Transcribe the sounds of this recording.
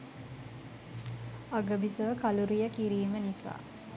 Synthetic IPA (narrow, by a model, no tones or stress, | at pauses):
aɡəbisəʋəkaluɾijəkiɾiːmənisa̰ː